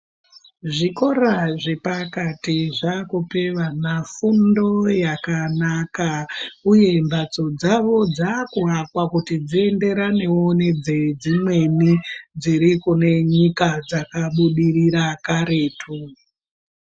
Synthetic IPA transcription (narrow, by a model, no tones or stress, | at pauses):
ʐiko̞ɾaʐe̞pakatiʐakupe̞ʋanafundo̞jakanakauje̞mbat͡so̞d͡zaʋo̞d͡zakuɦakwakutid͡zie̞nde̞ɾane̞one̞d͡zed͡zimwe̞nid͡ziɾikune̞ɲikad͡zakaɓuɗiriɾakaɾeːtʰu